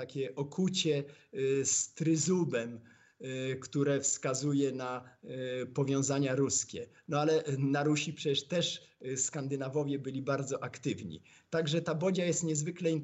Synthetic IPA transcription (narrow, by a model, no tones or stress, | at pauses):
akʲɛʔɔkʰut͡ɕɛ | st̪ɾɘzubɛm | kt̪uɾɛfskazujɛna | pɔvʲjɔ̃w̃zaɲaɾuskʲɛ | nɔalɛnaɾuɕipʂɛt͡ɕɛʂt̪ɛʂskand̪ɘnavɔvʲjɛbɘlʲibaɾd̪zɔʔakt̪ɘvɲḭ | t̪aɡʐɛt̪abɔd͡ʑajɛst̪ɲɛzvɘklɛin